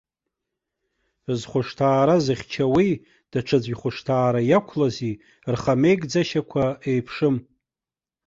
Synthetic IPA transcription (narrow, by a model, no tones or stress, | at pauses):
zχʷʊʂtʰaːɾazɨχʲt͡ʃʰawi | d̥aʈ͡ʂʰad͡zʷiχʷʊʂtʰaːɾajakʷʰlazi | rχame̞jkʼd͡zaʃakʷʰaejpʰʂɨm